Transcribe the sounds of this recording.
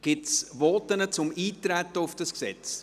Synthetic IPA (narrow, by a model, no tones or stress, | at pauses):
ɡ̥ɪtsvɔt̪ənət͡sʊmiːt̪ɾæt̪ːəʊfd̥ɑsksɛt͡s